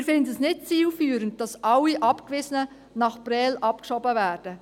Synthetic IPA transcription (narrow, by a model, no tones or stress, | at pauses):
ɪɾfɪndəsnɪt̚t͡siːlfyːɾənd̚d̥ɑsʔɑlːiʔɑpkvɪzənə | nɑχprɛːlʔɑpkʃɔbəvæːrd̥ə